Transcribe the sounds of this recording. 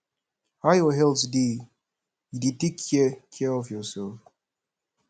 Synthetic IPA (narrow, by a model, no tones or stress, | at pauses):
hajɔɦɛlsdi | jiditikʰjɛkʰɛɔfjɔsɛlf